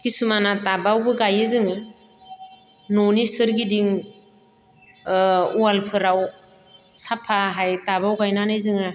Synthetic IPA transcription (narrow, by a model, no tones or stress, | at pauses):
kisumanatabawbɯɡajɯzɯŋɯ | nonisɯɾɡidiŋ | ualpʰɯɾaw | sapʰaɦajtabawɡajnanajzɯŋɯ